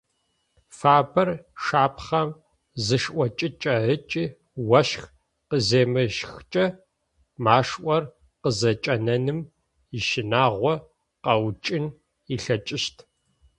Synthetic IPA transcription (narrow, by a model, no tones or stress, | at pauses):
faːbɐrʂaːpʰχɐm | zɨʂʔʷɔt͡ʃʼɪt͡ʃʼɐʕət͡ʃʼiː | wɐʃx | qəzeːmɨʒxt͡ʃʼɐ | maːʂʔʷɔr | qəzɐt͡ʃʼɐnɐnɨm | iʃɪnaːʁʷɔ | qɐwt͡ʃʼɪn | iɬɐt͡ʃʼɪʃtʰ